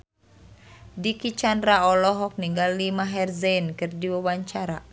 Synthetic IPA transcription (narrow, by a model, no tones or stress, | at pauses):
dikit͡ʃanraɔlɔɦɔk̚niŋɡalːimaɦɛrzɛnkɨrdiwawaɲt͡ʃaɾa